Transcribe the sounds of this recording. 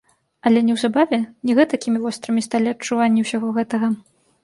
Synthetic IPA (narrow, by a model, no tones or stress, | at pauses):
ɐlʲɛnʲɛwzabavʲɛnʲɛɣɛt̪ɐkʲimʲivɔst̪ɾɨmʲist̪alʲiɐt͡ʂuvanʲːiwsʲaɣɔɣɛt̪ɐɣɐ